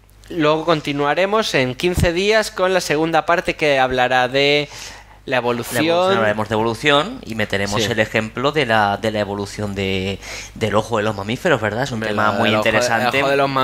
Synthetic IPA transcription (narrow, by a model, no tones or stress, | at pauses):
lweɣoko̞nt̪inuaɾe̞mo̞se̞ŋkin̟θe̞ðiasko̞nlase̞ɣ̞und̪apaɾt̪e̞keaβ̞laɾaðe | laeβ̞o̞luθajonaβlaɾe̞mo̞zðeβo̞luθjo̞nḭme̞t̪e̞ɾe̞o̞se̞le̞xe̞mplo̞ðe̞laðe̞lae̞β̞o̞luθjo̞nd̪ed̪elo̞xoðelo̞zmamife̞ɾo̞zβe̞ɾðaesunt̪emamujint̪eɾesanoeoðeloma